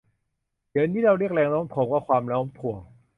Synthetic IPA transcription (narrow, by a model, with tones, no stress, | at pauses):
di˨˩˦nt̪ʰiː˥˩ɾa˧wɾi˥˩k̚lɛː˧ŋlɔː˦˥mt̪ʰo˨˩˦kwaː˥˩kʰwaː˧mlɔː˦˥mp̪ʰu˨˩əŋ